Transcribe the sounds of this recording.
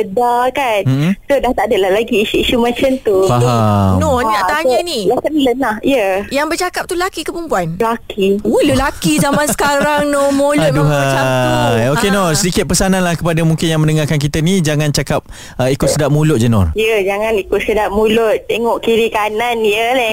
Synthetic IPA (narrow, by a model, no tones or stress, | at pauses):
ədakanm̩sodaht̪adəlahlaɡiːʃuiʃumãt͡ʃəmt̪ufaɦamnɔɲãʔt̪aɲanilakənlənahjəjaŋbərt͡ʃakap̚t̪ulakikəpumpuanlakʰiolulakizamãnsə̥kaɾaŋnomolʊt̪̚duɦaajokenosədikɪt̪̚pəsanãnlahkəpadamuŋkɪnjaŋmə̃ndəŋarkank̬it̪ənid͡ʒaŋant͡ʃakap̚ | əikʊt̪̚sədap̚mulʊʔ̚d͡ʒənɔ̰rjəd͡ʒaŋanikʊt̪̚sədap̚mulʊt̪̚t̪eŋɔʔkiɾikananjəlɛ